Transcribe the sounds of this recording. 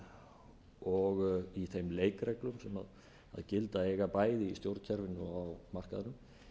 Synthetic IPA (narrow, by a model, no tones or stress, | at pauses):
ɔɣiθejmleːjkɾɛklʏmsɛma̰ð | a̰ðcɪlt̪aejɣapaːjðɪist̪jowɾt̪cʰɛɾvɪnːʏawmar̥kaðanʏm